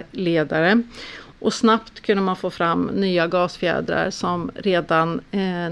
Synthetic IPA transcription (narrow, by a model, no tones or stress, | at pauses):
leːd̪aɾəʔɔsnapt̪kʰɵnd̪əmanfoːfɾamːnyːaɡɑːsfjɛ̰ːd̪ɾa̰ɾʂɔmɾeːd̪an